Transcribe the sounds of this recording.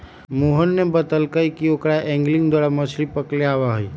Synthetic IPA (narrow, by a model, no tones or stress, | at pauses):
moːɦənːebət̪əlkəikiokɾaʔɛ̃ːŋɡlɪ̃ŋɡd̪waːɾamət͡ʃʰlipəkleaːwaɦʊi